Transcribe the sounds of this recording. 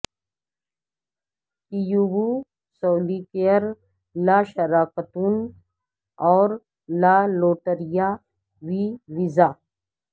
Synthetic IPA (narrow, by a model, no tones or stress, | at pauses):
kijubu | soːlikejəɾ | laʃɐɾaːkət̪uːn | ɔːɾ | laːloːʈəɾija | ʋiʋizaː